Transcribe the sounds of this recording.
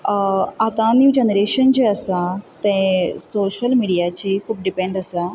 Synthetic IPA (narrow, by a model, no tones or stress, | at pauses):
at̪ãnjuːd͡ʑenɾeɕənd͡ʑeəsat̪ɛ̃soɕəlmiɽijat͡ɕikʰuːp̚ɖipẽɳɖəsa